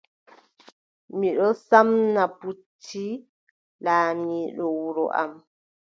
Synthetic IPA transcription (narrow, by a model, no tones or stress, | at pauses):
miɗɔsamnaputʰːi | laːniːɗɔwuɾɔ̰ʔa̰m